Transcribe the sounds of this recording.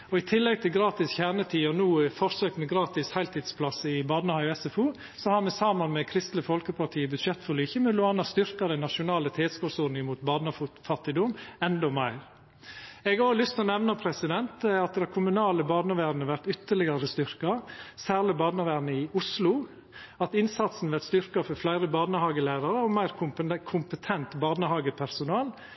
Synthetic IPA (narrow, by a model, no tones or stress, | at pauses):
ɔɪt̪ʰɪlːɛɡt̪ʰɪlɡɾɑːt̪ɪsçæɾnət̪ʰiːɔnuːfɔɾsøːk̚t̪mɛɡɾɑːt̪ɪshæɪlt̪ʰɪd̪spʰlɑsəɪbɑd̪nəhɑɪɛsɛfuː | sɔhɑɾmɛsɑmɑnmɛkʰɾɪst̪ləfɔlkəpʰɑʈ̪ʰiːəbʉd̪ʂɛt̪ːfɔɾlyːçəmʉlʊɑːnɑst̪ʏɾkɑd̪ænɑʂʊnɑːlət̪ʰeːskuːɾsʊɾnɪəmuːt̪bɑːd̪nɑffɑt̪ːɪd̪ɔmɛnd̪ɔmæɪɾ | ɛɡoːlʏst̪ʰɔnɛʋnɑpʰɾɛsɪd̪ɛnt̪ɑt̪̚d̪ækʰʊmʉnɑːləbɑːd̪ɑʋæːɾnəʋæɾt̪ʏt̪ːəɭɪɡɑɾəst̪ʏɾkɑsæːʁlɪbɑːd̪əʋæːɾnəɪʊslʊ | ɑt̪ɪnsɑt̪sn̩ʋæɾt̪st̪ʏɾkɑfɔɾflæɪɾəbɑːnəhɑːɡəlæɪɾɑɾəɔmæɪɾkʰʊkʰʊmpət̪ʰɛnt̪bɑːdnəhɑːɡəpʰæɾsʊnɑːl